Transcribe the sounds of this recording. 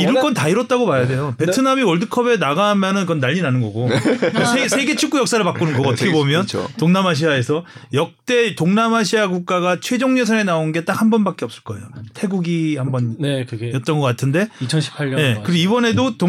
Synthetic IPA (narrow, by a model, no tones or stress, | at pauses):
iɾɯɭk͈ʌntaiɾʌt̚t͈aɡomajade̞jope̞tʰɯnamiʌɭdɯkʰʌbe̞naɣamjʌnɯnkɯʌnːaʎːinanɯnɡʌɡosʰesʰeɡe̞t͡ɕʰuk͈ujʌk̚s͈aɾɯɭpak͈unɯnɡʌɡoʌtʰʌkʰebomjʌn̰toŋnamaɕ̬ʰiae̞sʰʌjʌk̚t͈e̞toŋnamaɕ̬ʰiaɡuk̚k͈aɡat͡ɕʰwe̞d͡ʑoŋɲesʰaenaonnɡe̞t͈ak̚hambʌnbak͈e̞ʌp̚s͈ɯ̥ɭk͈ʌe̞jotʰe̞ɡuɡihambʌnjʌt͈̚ʌnɡʌk͈atʰɯnde̞t͡ɕʰʌnɕʰi̥pʰaje̞kɯɾioibʌne̞doto